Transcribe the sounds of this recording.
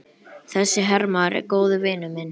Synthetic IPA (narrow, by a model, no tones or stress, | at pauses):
θɛsːɪɦɛɾmaɾɛ̰ɾkoːwðʏvɪːnʏmɪn